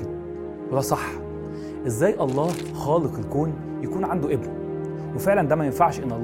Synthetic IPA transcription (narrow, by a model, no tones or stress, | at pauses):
wed̪æsˤɑħː | ʔezːæːjʔɑlˤːɑːh | xɑːleqelkoːn | jækuːnʕand̪oʔebwæ | wefeʕlænd̪æːmæjenfaʕʃʔenːʔɑlˤː